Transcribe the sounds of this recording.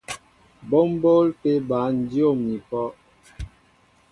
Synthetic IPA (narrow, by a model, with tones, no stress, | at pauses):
bo˦m˦bo˦lpe˦ba˨˦n̩˨˦djo˦˨mni˨kɔ˦